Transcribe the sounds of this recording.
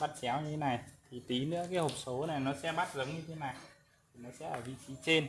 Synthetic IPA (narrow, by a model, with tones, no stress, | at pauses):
ɓa˦˥t̚t͡ɕɛ˨˦wɲɨ˧t̪ʰe˨˦na˨˩jt̪ʰi˨˩t̪i˨˦nɨ̰˧˥əkaː˨˦jho˨˩k͡p̚so˨˦na˨˩jnɔ˨˦sɛ̰˧˥ma˦˥t̚zə˨˦wŋ͡mɲɨ˧t̪ʰe˨˦na˨˩j̪ | tʰi˨˩nɔ˨˦sɛ̰˧˥ʔəː˧˩vḭ˧˨t͡ɕi˨˦t͡ɕe˧n